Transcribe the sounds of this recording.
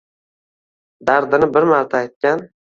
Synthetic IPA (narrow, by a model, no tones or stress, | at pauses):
d̪aɾd̪ɪnɪbɪɾmaɾt̪ʰaajt̪̚kʲan